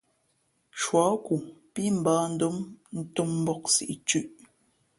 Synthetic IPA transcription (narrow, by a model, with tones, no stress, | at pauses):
t͡ʃwɔ˨˦ku˨pi˦m̩˨baː˦n̩˦du˦mn̩˦tu˦m̩˦bɔ˦k̚sḭ˨ʔt͡ʃʉ˦ʔ